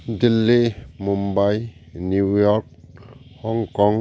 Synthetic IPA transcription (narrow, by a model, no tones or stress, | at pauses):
dilːimumbajnujɔɾk̚hɔŋkɔŋ